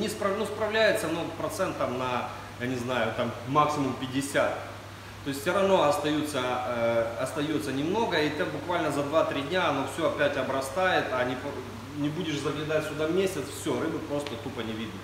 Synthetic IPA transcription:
nʲɪspɾɐnuspɾɐvlʲæjɪt̪sənopɾɐt̪sɛnt̪ːamnɐ | janʲɪznajʊt̪amːaksʲɪmʊmpʲɪdʲɪsʲat̪̚ | t̪ːo̞ɪsʲt̪ʲsʲʊɾɐvno̞ɐst̪ɐjut̪sə | ɐst̪ɐjo̞t̪sənʲɪmno̞ɡəit̪abʊkvalʲnəzɐd̪vat̪ɾʲidʲnʲaɐno̞fsʲoɐpʲætʲɐbɾɐst̪ajɪt̪ɐnʲɪp | nʲɪbudʲɪʂzɐɡlʲɪd̪atʲsʲʊd̪avmʲesʲɪt̪sfsʲoɾɨbɨpɾo̞st̪ət̪upənʲɪvʲid̪nɐ

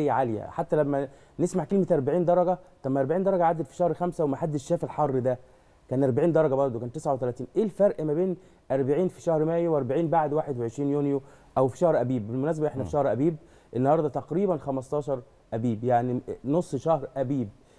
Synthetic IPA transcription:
ejːæʕalejæ̰ħat̪ːælæmːæ | nesmaʕkelmet̪ʔɑɾˤbaʕiːnd̪ɑɾˤɑɡæt̪æmːæʔɑɾˤbaʕiːnd̪ɑɾˤɑɡæʕad̪ːæd̪fi̥ʃæhɾˤxæmsæwemaħad̪ːeʃːæːfelħɑrˤːd̪æ | kæːnʔɑɾˤbaʕiːnd̪ɑɾˤɑɡɑbɑɾˤd̪okænt̪ːesʕawet̪ælæːt̪iːnʔeːlfɑɾʔmæbeːn | ʔɑɾˤbaʕiːnfiʃæhɾmæːjwʔɑɾˤbaʕiːnbaʕd̪waːħed̪weʕeʃɾiːnjoːnjo | ʔæwfi̥ʃɑhɾʔæbiːbelmʊnæːs̬æbæʔeħnæfiʃɑhɾʔæbiːb̚ | ʔenːɑhɑːɾˤd̪ˤɑt̪ɑqɾiːbænxæmɑst̪ˤɑːʃɑɾˤ | ʔæbiːbjaʕninosˤːʃæhɾˤʔæbiːb̚

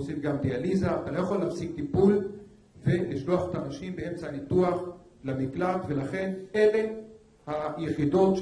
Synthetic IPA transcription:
osifɡamd̪ealizaːt̪alo̞jaχo̞lːafsik̚t̪ipul | ve̞liʃlo̞aχet̪anaʃimbee̞mt͡sanit̪uaχ | lamiklat̪ve̞laχe̞ne̞le̞ | hajeχid̪o̞t̪ʃ

